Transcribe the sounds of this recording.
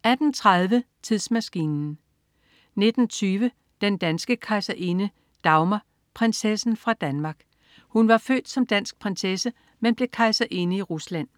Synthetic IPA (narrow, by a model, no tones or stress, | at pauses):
æd̥n̩t͡sʰʁað̞ˠʋət͡sʰiðˠsmæsɡ̥ḭːnn̩ | ne̝d̥n̩t͡sʰyːʋə | d̥end̥ænsɡ̥əkʰɑ̈ɪsæʔe̝nə | d̥ɑ̈ʊmɐ | pʰʁensesn̩fʁɑ̈d̥ænmɑ̈ːɡ̥ | hunʋɑ̈fø̰ːd̥sɒ̽md̥æn̰sɡ̥̚pʰʁansesə | menb̥le̝kʰɑ̈ɪsæʔe̝nəiʁuslæn̰